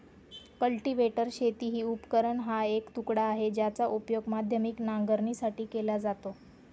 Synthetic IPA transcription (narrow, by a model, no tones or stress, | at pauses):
kəlʈiʋeʈəɾɕet̪iːɦiːupkəɾəɳɦaekt̪ukɽaːɦed͡ʑjat͡saʔupjoɡmad̪ʱjəmiknaŋɡəɾɳiːsaʈiːkelad͡zat̪o